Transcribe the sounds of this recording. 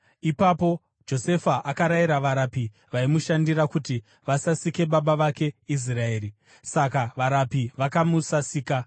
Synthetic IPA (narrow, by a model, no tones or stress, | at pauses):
ipapo̞ | d͡ʒo̞se̞faʔakaɾaiɾaʋaɾapi | ʋaimuʃandiɾakuti | ʋasasike̞ɓaɓaʋake̞is̬rae̞ːri | sakaʋaɾapiʋakamusasiːka